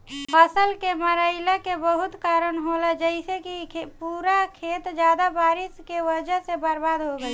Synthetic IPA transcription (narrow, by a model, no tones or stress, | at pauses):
pʰəsəlkeməɾəɪləkebəɦut̪kaɾənɦoləd͡ʒəɪsekipuɾakʰet̪d͡ʒad̪abaɾiskewəd͡ʒəɦsebəɾbad̪ɦoɡəj